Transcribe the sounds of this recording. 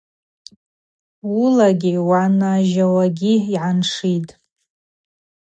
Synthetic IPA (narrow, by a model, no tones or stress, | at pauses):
ulaɡʲiwanaʒawaɡʲiiʕanʂitʼ